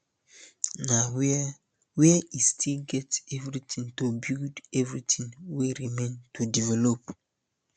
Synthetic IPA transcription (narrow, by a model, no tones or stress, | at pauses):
naw | wiɛistʰilɡɛtɛvɾitĩŋtobiuldɛvɾitĩŋweɾimẽntudivɛlop